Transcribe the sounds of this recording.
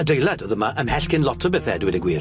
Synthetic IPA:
ədejladɔðəmaʔəmhɛɬkʰɪnlɔtʰəbɛθɛdwɪdəɡwiːr

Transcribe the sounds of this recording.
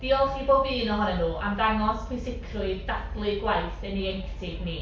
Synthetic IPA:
d̥iɔlˠɬiboːbiːnɔɦɔnɛnuːʔamdaŋɔspʰɪsɪkʰrʊɨddab̥lˠʊɨɡwajθəniɛŋktʰɪɡni

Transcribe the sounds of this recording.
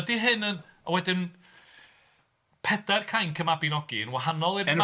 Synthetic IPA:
diɦɨnənɔwɛdɪn | pʰɛdɛrkʰajnkʰəmabinɔɡiənwaɦanɔlˠir

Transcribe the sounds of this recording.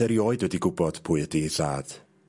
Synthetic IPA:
ɛɾiɔɨdwɛdiɡʊbɔd̥pʰʊːɨdisaːd̥

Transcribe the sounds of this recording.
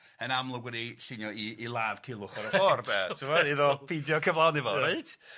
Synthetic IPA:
ənamlˠɔɡwɛdisinjɔiːlˠaːvkʰɪlˠʊχɔɾəfɔrbɛtʰɪmɔiðɔpʰidjɔkʰəvlˠawnɪvɔɾeɨd̥

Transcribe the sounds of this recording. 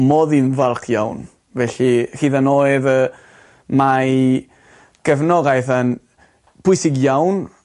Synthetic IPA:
mɔðinvalˠkʰjawn | vɛɬihiːðanojɨðə | ma | ɡ̥ɛvnɔɡajθan | pʰʊɨsɪɡjawn

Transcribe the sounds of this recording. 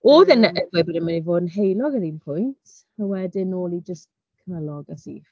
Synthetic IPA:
oːðɛnəʔəbjbodənmanivoːdn̩ɦejlˠɔɡəɾinpʰʊjntʰ | awɛdɪnoːlˠid͡ʒəs | kʰənalˠɔɡasḭː

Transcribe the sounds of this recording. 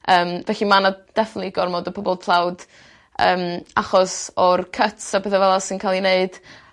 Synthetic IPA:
əːmvɛɬimanad̥ɛfɪnətliɡɔrmodəpʰɔbɔlˠpʰlˠawd | əːmaχɔsɔrkʰətsabəðɛvɛlˠasɪnkʰalˠineɨd̥

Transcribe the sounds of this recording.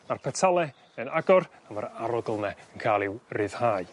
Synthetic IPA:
marpʰɛtʰalˠɛ | ənaɡɔramaɾaɾɔɡlˠnɛənkʰaːlˠɪwrɨːð̥haːɨ

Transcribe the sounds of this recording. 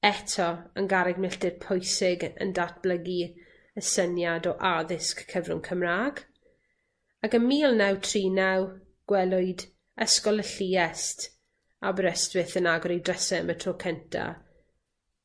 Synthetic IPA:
ɛtʰɔənɡaɾɛɡmɪɬdɪd̥pʰɔjsɪɡə̰ndat̚b̥ləɡi | əsənjadɔʔaðɪskʰːəvrʊ̰nkʰəmraːɡ | akəmiːlˠnɛwtʰriːnɛw | ɡ̥wɛlˠʊɨd | əskɔlˠəɬiːɛst | abəɾəstwɪθənaɡɔɾidrəsɛmətʰrokʰəntʰa̰

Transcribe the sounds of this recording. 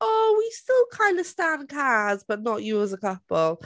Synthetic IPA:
owistɪlˠkʰãɪ̃ndə̥stãnkʰazb̥ʌʔⁿnəʔəəzəkʌpəl̩ˠ

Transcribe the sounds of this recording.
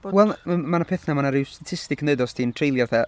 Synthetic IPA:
wɛlˠmanapʰeθnamanaɾɪwstatʰɪstɪkʰneɨdɔstʰintʰrejlˠjɔθɛ

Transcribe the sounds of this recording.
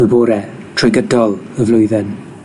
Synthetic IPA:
əboːɾɛ | tʰrɔjɡədɔlˠ | əvlʊjðɛn

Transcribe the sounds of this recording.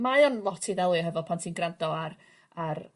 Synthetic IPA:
maɔnlˠɔtʰiðɛlˠɨɔɦɛvɔpʰantʰiːnɡrandɔar | ar

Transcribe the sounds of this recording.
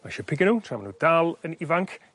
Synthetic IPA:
maʃəpʰɪɡənutʰramənud̥alˠənɪvaŋkʰ

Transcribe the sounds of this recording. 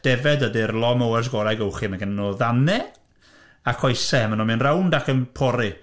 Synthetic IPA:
d̥ɛvɛdədirlˠɔmowɛrs̬ɡɔɾaɡəwχimaɡanɔðanɛ | akʰɔjsɛmənɔminrawndakʰənpʰɔɾɪ

